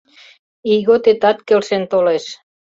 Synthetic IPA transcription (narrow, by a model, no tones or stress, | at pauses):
iɣot̪et̪ɑt̪kelʃent̪oleʃ